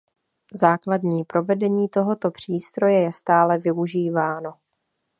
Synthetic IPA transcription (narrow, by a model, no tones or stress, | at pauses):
zaːkladɲiːpɾo̞vɛdɛɲiːt̪o̞ɦo̞t̪o̞pr̝̥iːst̪ɾo̞jɛjɛst̪aːlɛvɪuʒiːvaːno̞